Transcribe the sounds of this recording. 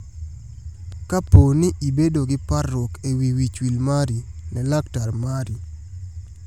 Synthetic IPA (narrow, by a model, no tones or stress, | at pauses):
kaponɪʔibedoɡɪparːwɔkewiwit͡ʃwilmaɾinɛlak̚tarmaɾi